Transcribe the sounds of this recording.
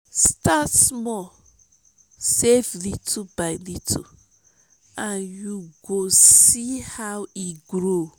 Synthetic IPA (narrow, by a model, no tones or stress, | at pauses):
statsmɔ | seflitʰubaɪlitʰṵ | ãnjuɡosihawiɡɾo